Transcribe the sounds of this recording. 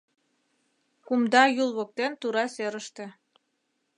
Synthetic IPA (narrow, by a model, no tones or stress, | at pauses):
kumd̪ɑjulˠβŏk̚t̪ent̪uɾɑseɾəʃt̪ĕ